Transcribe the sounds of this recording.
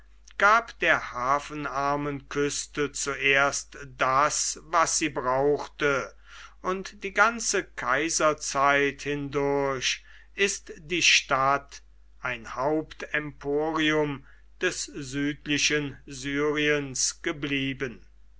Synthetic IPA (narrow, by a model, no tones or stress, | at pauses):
ɡ̥aːpd̥eːɐhaːfənaɐmənkʰʏstət͡suʔeːɐstd̥asvasz̥iːbʁaʊxtə | ʔʊntd̥iːɡant͡səkʰaɪzɐt͡saɪthɪndʊɐɕ | ʔɪstd̥iːʃtat | ʔaɪnhaʊptɛmpʰoːʁiʊm | d̥ɛszyːtlɪʃənzyːʁiənsɡ̥əbliːbən